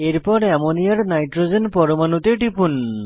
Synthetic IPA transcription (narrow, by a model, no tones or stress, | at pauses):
eɾpɔɾamɔnijaɾnajʈɾod͡ʒenpɔɾɔmanut̪eʈipʰun